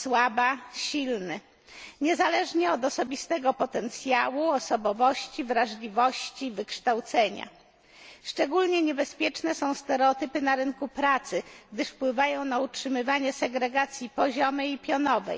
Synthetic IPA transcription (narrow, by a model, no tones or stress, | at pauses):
swabaɕilnɘ | ɲɛzalɛʐɲɛɔd̪ɔsɔbʲist̪ɛɡɔpɔt̪ɛnt̪sʲjawuɔsɔbɔvɔɕt͡ɕivɾaʐlʲivɔɕt͡ɕivɘkʂt̪awt̪sɛɲa̰ | ʂt͡ʂɛɡulɲɛɲɛbɛspʲjɛt͡ʂnɛsɔ̃w̃st̪ɛɾɛɔt̪ɘpɘnaɾɘŋkupɾat̪sɘɡd̪ɘʂfpwɘvajɔ̃w̃nautʂɘmɘvaɲɛsɛɡɾɛɡat̪sʲjipɔʑɔmɘipʲjɔnɔvɛ̰j